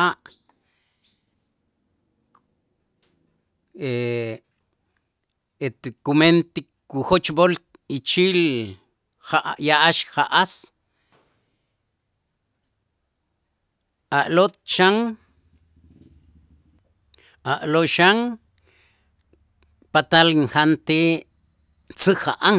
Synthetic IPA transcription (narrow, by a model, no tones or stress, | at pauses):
aʔ | e | et̪kument̪ikː | uxot͡ʃbol | it͡ʃil | aʔjaʔaʃχaʔas | aʔlot̪̚t͡ʃaŋ | aʔloʃaŋ | pat̪alŋχant̪e | t͡sɨxaʔaŋ